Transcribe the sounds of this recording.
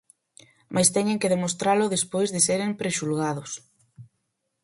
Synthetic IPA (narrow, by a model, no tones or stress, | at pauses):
mʔajst̪ɛɲeŋkɪðemost̪ɾalʊðespojzðeseɾempɾeʃulɣað̞ʊs